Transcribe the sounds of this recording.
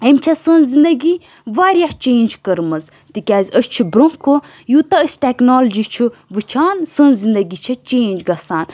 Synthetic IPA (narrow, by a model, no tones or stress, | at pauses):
ɐmt͡ʃʰɐsə̃nzind̪ɐɡi | ʋaːɾʲjaht͡ʃeːnʲd͡ʒkəɾmɐz | t̪ikʲaːzʲəst͡ʃʰubɾoŋkʰo | juːt̪ɐəsʲʈʲeknoːld͡ʒit͡ʃʰuʋɨt͡ʃʰaːnsənzind̪ɐɡit͡ʃʰɐt͡ʃeːnd͡ʒɡɐsaːn